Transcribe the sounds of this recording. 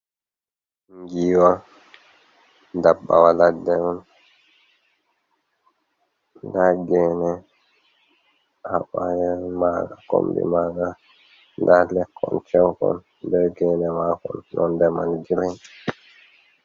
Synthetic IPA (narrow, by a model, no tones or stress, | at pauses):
ŋɡiːwa | dabːa̰waladɛɔn | ndaɡɛːnɛ | haɓajɛmaɡako̰mbḭmaːɡa | ndalɛkʰːɔ̰nt͡ʃɛwkɔ̰n | bɛɡɛːnɛmakɔ̰nnɔndɛmanɡiɾɛn